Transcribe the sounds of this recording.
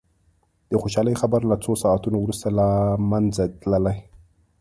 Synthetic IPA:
dixuʃalaxabaɾlat͡sosaatunwuɾsalamand͡zatlalaj

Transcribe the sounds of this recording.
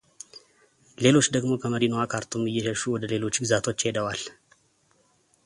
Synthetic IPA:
le̞lo̞t͡ʃːd̪əɡmo̞kʰəməɾinoakʰaɾt̪ʰumːɨjːɛʃɛʃuwɔd̪əle̞lo̞t͡ʃːɡɨzat̪ʰo̞t͡ʃːhe̞d̪əwal

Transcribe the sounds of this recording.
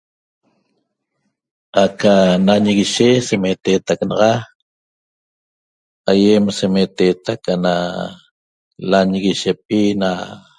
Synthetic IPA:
akanaɲiɣiʃesemet̪eːt̪aknɑʁɑ | ajemsemet̪eːt̪akana | laɲiɣiʃep̚ina

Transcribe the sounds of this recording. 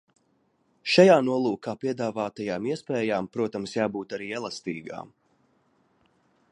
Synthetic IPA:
ʃajaːnuɔlˠuːkaːpiɛd̪aːvaːt̪ajaːmiɛspɛːjaːmpɾuɔt̪amsjaːbuːt̪aɾiːɛlˠast̪iːɡa̰ːm

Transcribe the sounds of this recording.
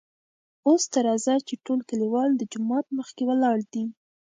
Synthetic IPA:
ost̪aɾɑzat͡ʃeʈolkaliwɑld̪əd͡ʒʊmɑt̪̚məxkewəlɑɽd̪i

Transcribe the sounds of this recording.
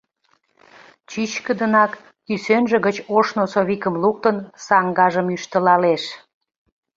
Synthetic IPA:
t͡ɕyt͡ɕkəd̪ənɑk | kysønʒĕɣət͡ɕoʃnosoβikəmluk̚t̪ənsɑŋɡɑʒəmyʃt̪əlɑleʃ

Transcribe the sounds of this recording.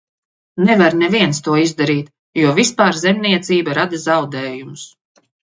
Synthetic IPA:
nɛvaɾnɛviɛnst̪uɔizd̪aɾiːt̪ | juɔvispaːɾzɛmniɛt̪siːbaɾad̪azawd̪ɛːjumʊs

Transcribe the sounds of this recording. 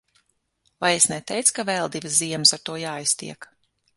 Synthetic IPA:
vajesnɛt̪ɛjt̪skavɛlˠd̪ivɨsziɛmɨsaɾt̪uɔjaːijst̪ḭɛk

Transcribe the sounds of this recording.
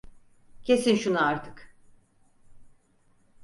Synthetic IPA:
cʰe̞sinʃunuaɾt̪ʰɯ̥k

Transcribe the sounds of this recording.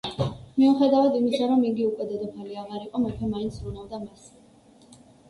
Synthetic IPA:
miuχɛd̪avad̪imisaɾɔmiɡiukʼwɛd̪ad̪ɔpʰaliaʁaɾiqʼɔmakʰɛmaint̪sʰɾunavd̪amas

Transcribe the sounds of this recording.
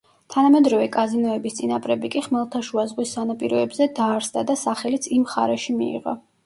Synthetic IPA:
t̪ʰanamɛd̪ɾɔvɛkʼazinɔɛbist̪sʼinapʼɾɛbikʼiχmɛlˠt̪ʰaʃuazʁwisːanapʼiɾɔɛbzɛd̪aːɾsd̪ad̪asaχɛlit̪sʰimχa̰ɾɛʃimḭḭʁɔ̰

